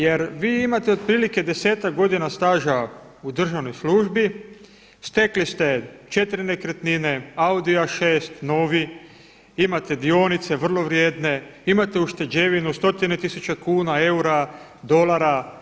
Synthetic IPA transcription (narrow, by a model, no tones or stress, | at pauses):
je̞ɾʋiːimat̪eo̞d̪̚pɾiːlike̞d̪e̞se̞ːt̪ak̚ɡo̞d̪inast̪aːʒa | ud̪r̩ʒaʋno̞jsluʒbi | st̪e̞klist̪e̞t͡ʃe̞t̪ɾinekɾet̪nine̞aud̪iaʃeːst̪no̞ːʋi | imat̪e̞d̪io̞nit̪se̞ʋr̩lˠo̞ʋɾje̞ːd̪ne̞imat̪e̞uʃt̪e̞d͡ʒe̞ʋinust̪o̞t̪ine̞t̪isut͡ʃe̞kuːnae̞uɾad̪o̞laɾa